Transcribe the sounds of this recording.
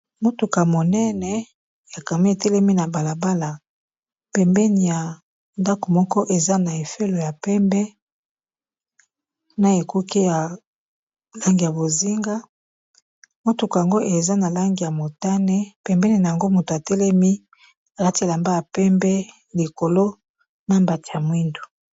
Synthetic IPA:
mo˦tu˨ka˨mo˨nɛ˦nɛ˨ | ja˨ka˨mi˦e˨tɛ˦lɛ˦mi˦na˨ba˨la˨ba˦la˨ | pɛ˨mbɛ˦ni˨ja˨ | nda˦ko˨mɔ˦kɔ˦ʔe˨za˦na˨e˨fe˦lo˨ja˨pɛ˦mbɛ˦ | na˦e˨ku˦ki˦ja˨ | la˦ŋɡi˨ja˨bo˨zi˦ŋɡa˦ | mo˦tu˨ka˨a˨ŋɡo˦ʔe˨za˦na˨la˦ŋɡi˨ja˨mo˨ta˦nɛ˦pɛ˨mbɛ˦ni˨na˨ja˨ŋɡo˦mu˨to˨a˨tɛ˦lɛ˦mi˦ | a˨ka˦ti˦e˨la˨mba˦ja˨pɛ˦mbɛ˦ | li˨ko˨lo˦ | na˦mba˨ti˨ja˨mwi˦ndu˨

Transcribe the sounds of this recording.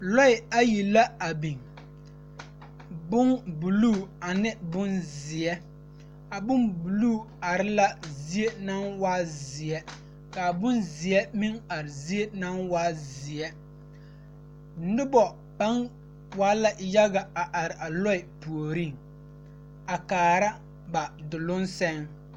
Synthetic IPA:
lɔ˦ɪ˨a˦ji˨la˦a˨bi˨ŋ | bʊ˦ŋbu˨luː˦˨a˨nɪ˦bʊ˦nzɪ˨ɛ˦ | a˨bʊ˦nbu˨luː˦˨ | a˨ɾɪ˦la˦zi˦e˦na˦nwaː˦zɪ˨ɛ˦ | ka˨bʊ˦nzɪ˨ɛ˦mi˦ŋa˨ɾɪ˨zi˦e˦na˦nwaː˦zɪ˨ɛ˦ | nʊ˦bɔ˨ | pa˦n | waː˦la˨ja˦ɡa˨a˨ʔa˨ɾɪ˨ʔa˨lɔ˦ɪ˨pu˨o˨ɾi˦˨ŋ | a˨kaː˨ɾa˦ | ba˨dʊ˨lʊ˦nsɛ˦ŋ

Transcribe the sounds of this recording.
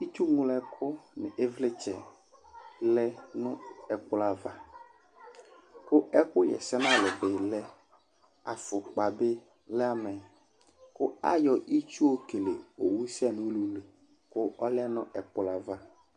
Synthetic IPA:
i˦t͡ʃu˦ŋũ˦lɛ˨kʰʊ˦nɪ̰˨ʔe˦vlɪ˦t͡ʃɛ̰˨ | lɛ˦nʊ̃˦ɛ˨k͡pʊ˦la˨va˦ | kʊ˦ɛ˦kʊ˦jɛ̰˨sɛ˦nã˦˨lɪ˨bɪ˨lɛ˦ | a˨fʊ˨k͡pa˨bɪ˦ | lɛ˦a˦mɛ˨ | kʊ˦a̰˦jɔ˨ʔi˦t͡ʃu˦o˦ke˨lḛ˨o˨wu˦sɛ˦˨nʊ̃˦lu˨le˨ | kʊ˦ɔ˦lɛ˦nʊ̃˦ɛ˨k͡pʊ˨la˨va˦

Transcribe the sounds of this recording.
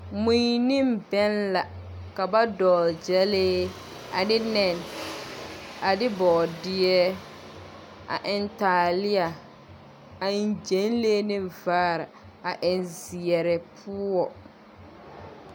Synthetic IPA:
mũ˦jnɪ˦mbɛ˦nla˨ | ka˨ba˦dɔː˨ld͡ʒɛ˦leː˦ | a̰˨dɪ˦nɛ˨n | a˨dɪ˦bɔː˨dɪ˦ɛ˦ | a̰˨ʔɪ˨ntaː˨lɪ˦a˨ | a˨n˨d͡ʒe˨˦n˦leː˦nɪ˦vaː˦˨ɾa˨ | a˨ʔɪ˨nzɪ˨ɛ˨ɾɛ˨pʰuː˦ɔ˨

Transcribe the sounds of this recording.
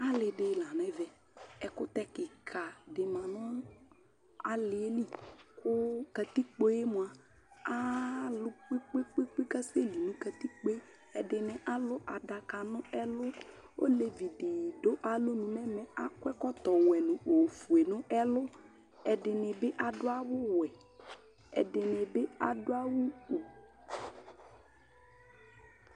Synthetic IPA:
a˦lɪ˨dɪ˨˦la˨n˨ɛ˦vɛ˨ | ɛ˨kʊ˦t̪ɛ˦kɪ˨kʰa˨dɪ˨mã˨nʊ̃˦ | a˨lɪ˨e˦li˦kʊ˦ka˨t̪i˦k͡po˦je˦mʊ̃˨a˨ | a˦lʊ˦k͡pɪ˦k͡pɪ˦k͡pi˦k͡pi˦ka˦se˦li˨nʊ̃˦ka˨t̪i˦k͡po˦ | ɛ˨dɪ˨nɪ̃˨ʔa˦lʊ˦ʔa˨da˨ka˨nʊ̃˦ɛ˦lʊ˦ | o̰˦le˨vi˨ɖe˨jɖo˦ʔa˨lo˦nũ˨mɛ̃˦mɛ̃˨a˦kwɛ˦kɔ˦t̪ɔ˨wɛ˨nʊ̃˨o˨fu˨e˨nʊ̃˦ɛ˦lʊ˦ | ɛ˨ɖɪ˨nɛ̃˨be˦ʔa˨ɖʊ˦a˦wʊ˦wɛ˨ | ɛ̰˨ɖɪ˨nɛ̃˨be˦a˨ɖʊ˦a˦wu˦o˨

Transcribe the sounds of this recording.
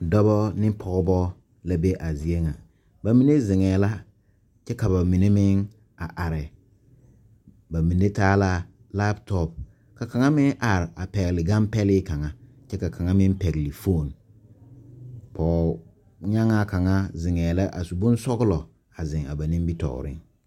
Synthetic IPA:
dɔ˦bɔ˦nɪ˦pʰɔ˦˨ɡɔ˦bɔ˦ | la˦be˦ʔa˨zi˨e˦ŋa˨ | ba˨mi˨ne˦zɪ˨ŋɛː˨la˦ | t͡ʃɛ˦ka˨ba˨mi˨ne˦mɪ˦ŋ | a˨ʔa˨ɾɪ˨ | ba˨mi˨ne˦taː˦la˦ | la˦btɔ˦p̚ | ka˨ka˨ŋa˦mɪ˦ŋʔa˨ɾɪ˨a˨pɛ˨ɣɪ˨lɪ˨ɡa˦mpɛ˦lɪ˦ka˨ŋa˦ | t͡ʃɛ˦ka˨kʰa˨ŋa˦mɪ˦mpɛ˨ɣlɪ˨fo˦˨n | pʰɔː˨ | ɲa˦ŋa˦ka˨ŋa˦zɪ˨ŋɛː˨la˦ʔa̰˨su˨bʊ˦n˦sɔ˦ɣʊ˦lɔ˨ | a˨zɪ̃˨ŋa̰˨ba˨nɪ̃˦m˦bi˦tɔ̰˨ɣ̰ɾɪ̰˦ŋ

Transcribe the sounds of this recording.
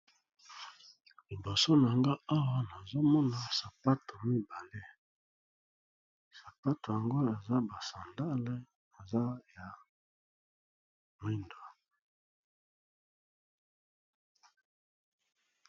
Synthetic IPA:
li˨bo˨so˦na˨ŋɡa˦a˦wa˦na˨zo˦mɔ˦na˨sa˨pa˦to˨mi˦ba˨le˦ | sa˨pa˦to˨ja˨ŋɡo˦e˨za˦ba˨sa˨nda˦le˦ | e˨za˦ja˨ | mwi˦ndwa˨

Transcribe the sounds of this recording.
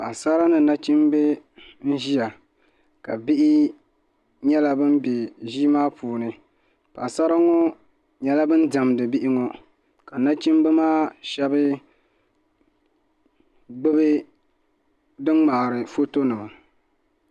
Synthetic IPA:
pa˨sa˦ɾa˦nɨ˨na˦t͡ʃi˦mbe˦ | n̩˦ʒi˦ja˨ | ka˨bi˦ʔɪ˦ | ɲɛ˦la˦bɨ˦m˦be˨ʒi˦maː˦pʰuː˨nɨ˨ | pa˨sa˦ɾa˦ŋɔ˦ | ɲɛ˦la˦bɨ˦n˦da˨mdɨ˨bi˦ʔɪ˦ŋɔ˦ | ka˨na˦t͡ʃi˦mbɨ˦maː˦ʃɛ˦bɨ˦ | ɡ͡bɨ˦bɨ˦ | dɨ˦ŋŋ͡ma˨ɾɨ˨fo˦to˦nɨ˨ma˨

